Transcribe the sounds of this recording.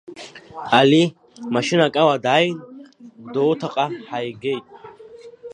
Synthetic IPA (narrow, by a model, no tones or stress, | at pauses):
ali | maʃinakʼawad̪aːjind̪ɔːt̪ʰaqʼaħajɡɛjt̪ʼ